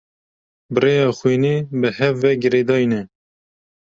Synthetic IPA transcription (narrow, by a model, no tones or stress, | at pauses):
bɨreːjɑːxwiːniːbɨhɛvːɛɡɨɾeːd̪ɑːinɛ